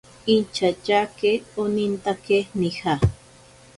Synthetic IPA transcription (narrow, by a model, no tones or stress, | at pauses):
int͡ʃat͡ʃakeonint̪akenixa